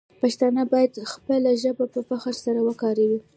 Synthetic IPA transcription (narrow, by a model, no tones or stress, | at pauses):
paʃt̪ɑnabɑjad̪xpəlaʒəbapəpaxaɾsaɾawəkɑɾawi